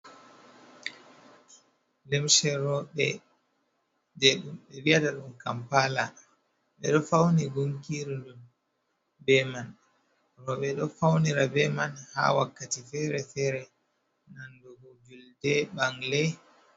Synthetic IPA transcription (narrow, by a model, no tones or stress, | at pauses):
lɛmʃɛɾɔɓɛ̰ | dɛɗumɓɛwijataɗumkampala | ɓɛɗɔfawniɡuŋkiɾiɗun | bɛman | ɾɔɓɛɗɔfawniɾabɛmanha̰wakːatifɛɾɛfɛɾɛ | nandɔhud͡ʒuldɛɓaŋlɛ